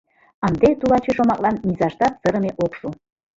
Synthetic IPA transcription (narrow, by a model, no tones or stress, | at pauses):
ɑnd̪et̪ulɑt͡ɕeʃomɑklˠɑnmʲizɑʃt̪ɑt̪səɾə̆meʔokʃu